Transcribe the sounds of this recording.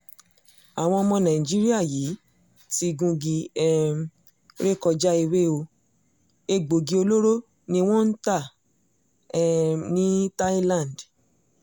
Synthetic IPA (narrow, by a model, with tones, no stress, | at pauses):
a˨w̃ɔ̃˧ɔ˧mɔ̃˧nã˨i˨d͡ʒi˦ɾi˦a˦˨jiː˨˦ | ti˧ɡũ˧ɡi˧ɛ˦˨ | ɾe˦˨kɔ˧d͡ʒa˦i˧we˦o˧ | e˧ɡ͡bo˨ɡi˧o˧lo˦ɾo˦ | nĩ˧w̃ɔ̃˦n̩˦ta˦˨˦ | nĩ˦ta˦i˦lã˦˨nd